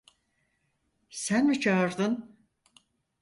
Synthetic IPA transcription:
sænmit͡ʃʰaɯɾd̪ɯn

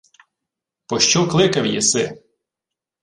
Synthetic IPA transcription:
pɔʃt͡ʃɔklˠɪkɐwjɛsɪ

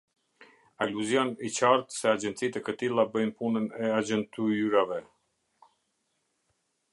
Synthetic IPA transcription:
aluzjɔnit͡ɕaɾt̪sɛad͡ʒɛnt̪t͡sit̪ɛkət̪ilˠabəjnpunənɛad͡ʑɛnt̪ʰuɾavɛ

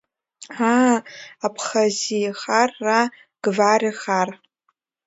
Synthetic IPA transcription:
a | apʰχaziχarːa | ɡ̥variχar

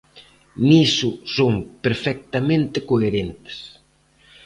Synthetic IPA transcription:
nisʊsoŋpeɾfɛk̚t̪amẽnt̪ɪkoeɾent̪e̥s

